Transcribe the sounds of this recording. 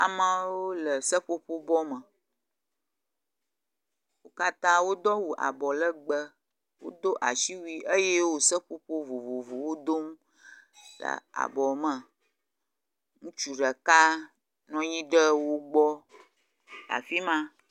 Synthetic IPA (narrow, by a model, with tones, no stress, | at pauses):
a̰˨mə̃˦wo˦lə˨sə˦ɸo˦ɸo˦bɔ˦mə˨ | wo˦ka˦t̪ã˦wo˦d̪ɔ˦wu˨ʔa̰˨bɔ˨lə˦ɡ͡bə˦ | wo̰˦d̪o˦ʔa̰˨ʃi˦wi˦ʔə˦je˦wo˦sə˦ɸo˦ɸo˦vo˨vo˨vo˨wo˦d̪o˦m | lə̰˨a̰˨bɔ˨mə̃˨ | ŋũ˦t͡ʃu˨ɖə˨ka˦ | nɔ̃˦ji˦ɖə˦wo˦ɡ͡bɔ˦ | la̰˨fi˦mã˦